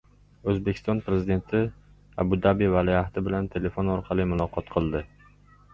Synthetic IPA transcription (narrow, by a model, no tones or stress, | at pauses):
ɵzbe̞kʲʰɪ̥st̪ɒnpɾe̞zɪd̪e̞nt̪ʰɪ | a̰bʊd̪abivaliaht̪ʰɪbɪlant̪ʰe̞le̞fonɒɾqʰɑlɪmʊlˠɒqʰɒt̪qʰɨlˠd̪ɪ